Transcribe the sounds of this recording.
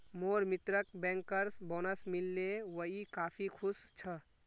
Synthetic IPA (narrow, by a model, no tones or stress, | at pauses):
moːɾmɪt̪ɾəkbɛ̃ːŋkəɾsbɔːnəsmilːeʋəɦikaːpʰikʰʊst͡ʃʰə